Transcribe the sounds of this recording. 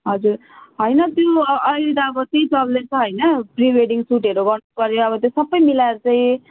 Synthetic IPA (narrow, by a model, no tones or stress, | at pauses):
ɦʌd͡zuɾ | ɦʌjnʌt̪joʌjɾid̪aːbʌt̪ejt͡sʌllet͡sʰʌɦʌjnʌpriʋeɖiŋsuʈeɾoɡʌrnupʌɾjoʌbʌt̪josʌbʌjmilaeɾat͡saĩ